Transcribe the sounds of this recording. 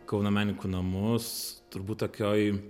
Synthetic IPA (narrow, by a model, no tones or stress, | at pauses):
kɐʊnomʲæːnʲɪkuːnɐmʊst̪ʊɾbuːt̪t̪oːkʲoːj